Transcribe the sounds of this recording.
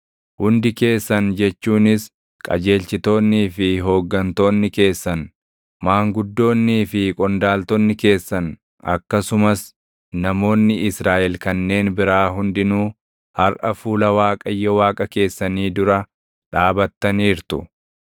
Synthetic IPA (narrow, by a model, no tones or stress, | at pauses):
hʊnd̪ɪke̞ːsːɐnd͡ʒɛt͡ʃːuːnɪs | kʼɐ̰d͡ʒe̞ːlt͡ʃɪt̪o̞ːnːiːfɪɦo̞ːɡːɐnt̪o̞ːnːɪke̞ːsːɐn | maːŋɡʊd̪ːo̞ːnːiːfɪkʼɔnd̪aːlt̪ɔnːɪke̞ːsːɐn | ɐ̰kːɐsʊmɐs | nɐmo̞ːnːɪɪsɾaːʔɛlkɐnːe̞ːnbɪɾaːɦʊnd̪ɪnuː | hɐɾʔɐfuːlɐwaːkʼɐjːɔwaːkʼɐke̞ːsːɐniːd̪ʊɾɐ | ᶑaːbɐt̪ːɐniːɾt̪ʊ